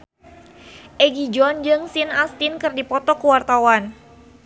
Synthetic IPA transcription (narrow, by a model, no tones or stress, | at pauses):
ʔɛɡid͡ʒɔnd͡ʒɨŋsinast̪ɪnkɨrdipɔt̪ɔkuwart̪awan